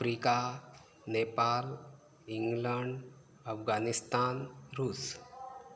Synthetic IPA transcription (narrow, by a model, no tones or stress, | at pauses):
fɾika | nepal | iŋɡləɳɖ | əfɡanist̪anɾuːs